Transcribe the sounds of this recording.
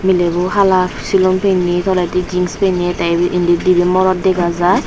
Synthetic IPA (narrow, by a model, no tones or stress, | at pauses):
milebɔɦalasilɔmpʰenːit̪ʰɔlatid͡ʒiŋspeniɛtajbʔindidibimɔɾɔt̚dɛkazaj